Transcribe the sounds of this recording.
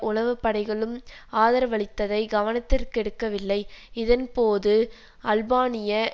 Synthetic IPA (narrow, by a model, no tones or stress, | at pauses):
ʔʊlɐʋɯpːɐɽɐɪɣɐɭɯmaːðɐɾɐʋɐɭɪt̪ːɐðɐɪɡɐʋɐnɐt̪ːɪrkɛɽɯkːɐʋɪlːɐɪɪðɐnpoːðɯ | ʔɐlbaːnɪjɐ